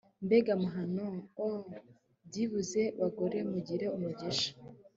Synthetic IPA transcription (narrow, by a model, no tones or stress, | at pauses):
mbeɡamuɦanoo | bɟiβuze̞waɡoɾe̞muɟiɾe̞umuɟeʃḁ